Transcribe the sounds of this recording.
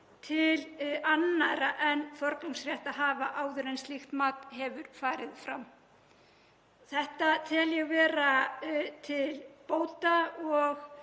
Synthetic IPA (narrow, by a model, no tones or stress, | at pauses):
t̪ʰɪlanːaɾaʔɛnfɔɾkluŋsrjɛht̪aðɦaːvaʔaːwðʏɾɛnst̪lixt̪maːt̪hɛvʏɾfaːɾɪðfɾam | θɛht̪at̪ʰɛljɛɣvɛːɾat̪ʰɪlpoːwt̪aɔɣ